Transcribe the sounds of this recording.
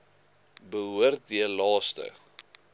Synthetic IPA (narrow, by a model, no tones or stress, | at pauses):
bəɦuərt̚diərlɑːstə̰